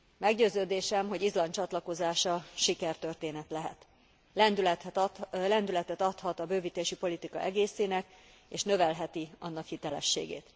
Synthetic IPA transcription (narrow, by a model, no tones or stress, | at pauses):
mɛɡɟøːzøːd̪eːʃɛmɦo̞ɟizlɒnt͡ʃɒt̪lɒko̞zaːʃɒʃikɛrt̪ø̞rt̪eːnɛt̪lɛɦɛ̰t̪ | ɛnd̪yl | lɛnd̪ylɛt̪ɛt̪ɒt̪hɒt̪ɒbøːvit̪eːʃipo̞lit̪ikɒ̰ʔɛɡeːseːnɛk | eːʃnø̞vɛlɦɛt̪iɒnːɒkhit̪ɛlɛ̰ʃːḛːɡḛːt̪